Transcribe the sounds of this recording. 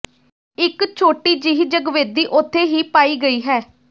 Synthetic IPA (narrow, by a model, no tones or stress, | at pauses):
ɪkt͡ʃʰoːʈiːd͡ʒiɦd͡ʒəɡʋeːd̪iːʔʊt̪ʰːeːɦiːpaːiːɡəiːɦɛː